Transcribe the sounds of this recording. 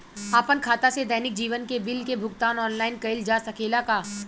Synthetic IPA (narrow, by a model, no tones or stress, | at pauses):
aːpənkʰaːt̪ased̪ɛːnɪk̚d͡ʒiːʋənkebɪlkebʱʊɡt̪aːnɔːnlaːɪnkɐɪld͡ʒaːsɐkʰeːlakaː